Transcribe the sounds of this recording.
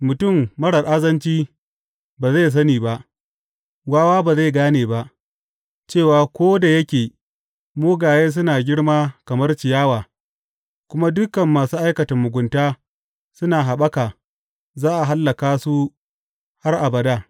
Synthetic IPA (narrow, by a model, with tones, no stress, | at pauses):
mʊ˨tʊ˦˨mːɐ˦ɽɐ˨rʔa˦zɐ˦nt͡ʃiː˦ | baː˨za˦˨s̬ɐ˦niː˨ba˦ʔ | ɡaː˦waː˦baː˨za˦˨ɡaː˦neː˨ba˦ʔ | t͡ʃeː˦˨waː˨kʷoː˦da˨jɐ˦kʲeː˨ | moː˦ɡaː˨jeː˦s̬ʊ˦naː˨ɡʲɪ˦ɽmaː˦kɐ˨mɐ˦rt͡ʃɪ˨jaː˦waː˨ | kʷʊ˦ma˦dʊ˦kɐ˨mːaː˨suː˦ʔa˦jkɐ˨tɐ˨mːʊ˨ɡʷʊ˨ntaː˦ | sʊ˦naː˨ɦa˨ɓɐ˦kaː˨ | zaː˦ʔa˨ɦa˦lːɐ˨kaː˦su˦ | ha˦rʔa˨bɐ˨daː˦